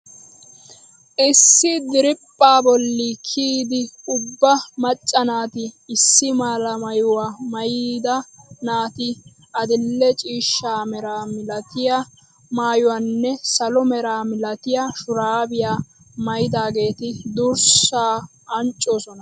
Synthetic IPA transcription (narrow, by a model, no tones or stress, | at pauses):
ʔɪsːɪd̪ɪɾɪpʼːaːbɔlːɪkʰiːd̪ɪʊbːɐmɐt͡ʃʼːɐnaːt̪ɪːsːɪmaːlɐmɐjʊwaːmɐjid̪ɐnaːt̪ɪ | ʔɐd̪ɪlːɛt͡ʃʼiːʃːaːmɛɾaːmɪlɐt̪ɪja | maːjʊwanːɛsɐlɔmɛɾaːmɪlɐt̪ɪjaʃʊɾaːbɪjaː | mɐjɪd̪aːɡe̞ːt̪ɪd̪ʊɾsaː | ɐnt͡ʃʼːoːsɔnɐ